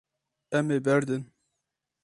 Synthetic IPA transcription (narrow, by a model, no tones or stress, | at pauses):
ɛmeːbɛɾd̪ɨn